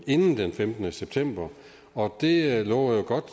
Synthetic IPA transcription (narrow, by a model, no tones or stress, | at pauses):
e̝nn̩d̥enfemd̥ənəseb̥̚t͡sʰem̰b̥ɐ | ɒ̽d̥e̝lɔ̰ʊjoɡ̥ɒ̽d̥